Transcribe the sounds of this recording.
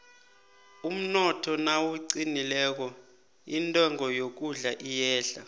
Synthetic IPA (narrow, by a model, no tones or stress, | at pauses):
um̩nɔtʰɔnawuǀinilɛːk̬ɔ | intʼɔŋɔjok̬uɮaʔijɛːɬa̰